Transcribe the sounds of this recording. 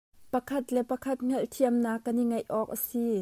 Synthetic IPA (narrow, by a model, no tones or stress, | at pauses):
pɐkʰɐt̪lɛpɐkʰɐt̪̚ŋ̥ɛlʔt̪ʰiəmnaːkːɐniŋɐjʔɔːk̚ʔɐsi